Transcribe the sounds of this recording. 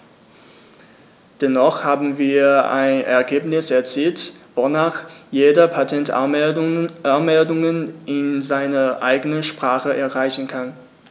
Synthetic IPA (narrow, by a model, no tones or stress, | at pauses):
d̥ɛnɔχhaːbm̩viːɐa̰ɪnɛ̰ɐɡeːpnɪsɛɐt͡siːltvonaːχjeːdɐpʰatʰɛnt | anmɛldʊŋənʔɪnzaɪnɐʔa̰ɪɡənəʃpʁ̥aːχəʔɛɐʁaɪçn̩kʰan